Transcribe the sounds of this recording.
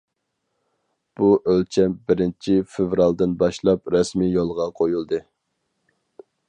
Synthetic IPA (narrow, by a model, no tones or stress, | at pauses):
b̥uʔølt͡ʃʰɛbɪɾɪnt͡ʃʰifevɾɑlˠd̪ɪnbɑʃlˠɑpɾɛsmijolˠʁɑqʰojulˠd̪ɨ